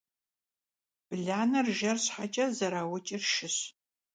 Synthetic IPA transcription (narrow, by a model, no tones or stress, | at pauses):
b̥ɮaːnɐrʒɐrɕħat͡ʃʼɐzɐɾaːwɐt͡ʃʼirʃɪɕ